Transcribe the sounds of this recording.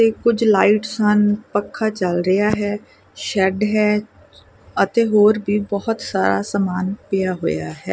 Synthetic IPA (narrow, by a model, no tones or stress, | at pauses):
t̪eːkʊd͡ʒlaːiʈsənpəkʰːaːt͡ʃəlɾəjaːɦɛː | ʃɛːɖɦɛː | ət̪eːɦoːɾbʱiːbɔːʊt̪saːɾa̰ːsaːmaːnpɪjaːɦoːja̰ːɦɛ̰ː